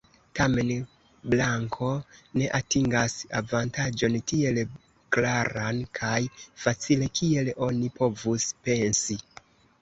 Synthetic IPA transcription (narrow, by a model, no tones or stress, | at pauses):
tame̞n | blaŋkʰo̞ne̞ʔatiŋɡasa̰vantad͡ʒo̞ntie̞l | klaɾankʰajfat͡sile̞kʰie̞lo̞nipo̞vuspe̞nsi